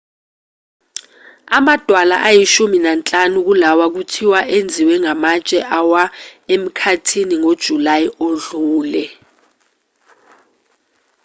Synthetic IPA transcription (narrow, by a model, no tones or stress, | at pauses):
amad̥ʱwala̰ʔajiʃuminant͡ɬʼanuk̬ulawak̬utʰiwaʔend͡zʱiwɛŋamat͡ʃʼɛʔawaem̩kʰatʰiniŋod̥ʒ̥ʱulajioɮuːlɛ